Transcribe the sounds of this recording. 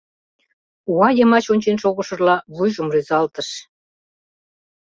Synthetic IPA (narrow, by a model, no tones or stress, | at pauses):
uɑjɤmɑt͡ɕonʲt͡ɕenʃoɣoʃɤ̆rlɑβujʒəmryzɑlt̪əʃ